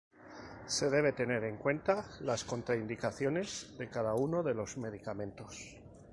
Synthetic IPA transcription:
se̞ðe̞β̞e̞t̪e̞ne̞ɾe̞ŋkwe̞nt̪alasko̞nt̪ɾaind̪ikaθjo̞ne̞zðe̞kaðauno̞ðe̞lo̞zme̞ð̞ikamẽnt̪o̞s

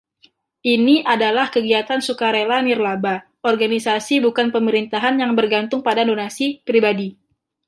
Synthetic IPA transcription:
ʔiniʔadalahkəɡiat̪ansukaɾelanirlaba | ɔrɡanisasibukanpəməɾint̪aɦanjaŋbərɡant̪ʊŋpadadonasipɾibadi

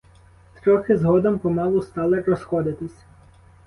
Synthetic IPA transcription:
t̪ɾɔxɪzɦɔd̪ɔmpɔmɑʋˠʊst̪ɑlˠɪɾɔsxɔd̪ɪt̪ɪsʲ

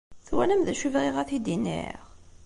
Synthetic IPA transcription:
θwænæmðæʃivʁiʁæθid̪inːḭʁ

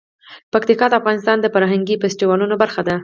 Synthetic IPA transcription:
pakt̪ikɑd̪əafɣɑnɪs̬t̪ɑnd̪əfaɾɦaŋɡifesʈiwɑlunobaɾxad̪a

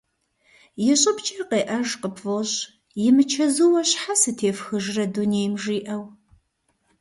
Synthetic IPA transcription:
jɪɕʼɪpt͡ʃʼɐqeːʔɐʒqəpvoɕ | jɪmɨt͡ʃʰɐzɨwɐɕħasɨtʰeːfxɨʒrɐdunejmʒiːʔɐw

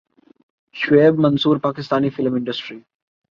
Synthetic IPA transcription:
ʃʋeːbmɐ̃nsuːɾpaːkɪst̪aːnifɪlmɪ̃ɳɖəsʈɾi

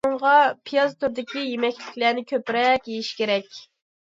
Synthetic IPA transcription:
ʊɴʁɑpʰijɑzt̪ʰuɾd̪ɪkʲijemɛkʲlɪkʲlænɪkʲʰøpɾɛkʲjejiʃkʲeɾɛkʲ

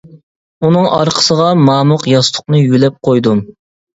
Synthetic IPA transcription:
unɨŋʔɑɾqʰə̥səʁɑmɑːmʊqjɑst̪ʰʊ̥qnɨjylɛp̚qʰojd̪um

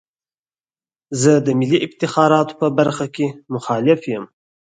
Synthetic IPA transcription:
zəd̪əmɪliʔɪbt̪ɪxɑːɾɑːt̪o̥pəbaɾxakʲemʊxɑːlɪfjəm

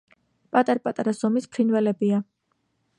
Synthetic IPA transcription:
pʼat̪ʼaɾapʼat̪ʼaɾaszɔmispʰɾinvɛlɛbia

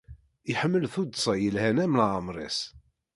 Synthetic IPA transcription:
iħəmːəlθud̪sˤɑjəlhænæmlʕəmɾˤḛs

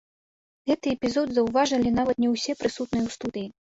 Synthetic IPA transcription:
ɣɛt̪ɨɛpʲizɔd̪zɐwvaʐɐlʲin̪avɐt̪nʲɛwsʲɛpɾɨsut̪nɨjɛwst̪ud̪ɨji

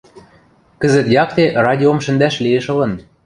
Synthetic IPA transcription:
kə̆zə̆t̪jɑkt̪erɑd̪ʲiomʃə̆nd̪æʃlieʃɤ̆lɤ̆n

